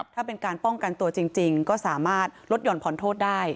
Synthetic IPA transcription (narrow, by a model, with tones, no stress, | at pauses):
t̪ʰaː˥˩pe˧nkaː˧npɔ˥˩ŋka˧nt̪u˧ɐt͡ɕi˧ŋt͡ɕi˧ŋkɔː˥˩saː˩˦maː˥˩t̪̚lo˦˥t̪̚jɔː˧˩npʰɔ˩˦nt̪ʰoː˥˩t̪̚daː˥˩j